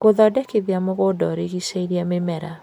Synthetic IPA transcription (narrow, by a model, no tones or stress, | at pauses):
ɣoðɔdɛkeðiamoɣodɔɾeɣisaiɾiamemɛɾa